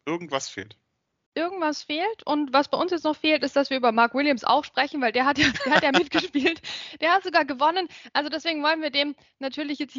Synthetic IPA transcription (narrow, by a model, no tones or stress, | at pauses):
ʔɪɐɡŋ̩tv̥asfḛːlt | ʔɪɐɡŋ̩tv̥asfeːltʰʔʊntv̥asb̥aɪʔʊnsjɛt͡snɔχfeːltɪstd̥asv̥iːɐʔyːbɐmaɐkwɪljamsa̰ʊxʃpʁ̥ɛçn̩vaɪldeːɐɦatjaːd̥eːɐhatjaːmɪt̚ɡ̥əʃpiːltd̥eːɐhatz̥oɡaːɐɡəvɔnənʔalzodɛsv̥eːɡŋ̩vɔlənviːɐdeːm | natʰyːɐlɪçjɛt͡st